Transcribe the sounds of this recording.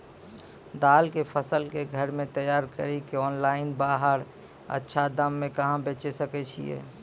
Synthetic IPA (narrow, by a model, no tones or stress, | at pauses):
d̪aːlkepʰəsəlkeɡʱəɾmẽt̪əjaːɾkə̰ɾikeɔːnlaːɪnbaːɦəɾ | ə̰tːʃʰad̪əmːẽkəɦãbeːt͡ʃesəkɛt͡ʃʰḭjḛː